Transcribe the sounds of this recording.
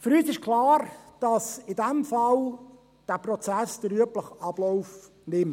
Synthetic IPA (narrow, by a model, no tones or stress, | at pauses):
fəɾyːsɪʃkʰlɑːɾd̥ɑsɪdɛmfɑl | d̥æːprɔt͡sæsd̥̪əɾyəpləχɑb̥lɔʊf | nɪm